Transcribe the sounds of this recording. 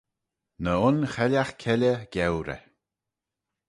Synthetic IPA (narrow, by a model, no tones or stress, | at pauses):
nəʊnxɛljaxkʰɛlʲəɡ̥ɛwɾɛ̰